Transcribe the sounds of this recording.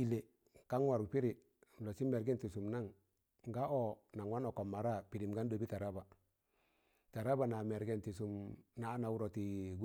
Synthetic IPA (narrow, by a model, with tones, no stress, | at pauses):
i˨le˨ | ka˦ŋwa˨ɾu˨pi˦ɾi˨ | lo˨t͡ʃi˦me˨ɾɡɛ˦nti˨su˨mna˦ŋ | ŋɡa˦o˦˨na˨ŋwa˦no˨ko˨mːa˨ɾa˦˨pi˨ɾi˨mɡa˦n˦do˨bi˦ta˨ɾa˦ba˨ | ta˨ɾa˦ba˨na˨me˨ɾɡɛ˦nti˨su˨mna˨˦na˨wu˦ɾo˨ti˨ɡu˦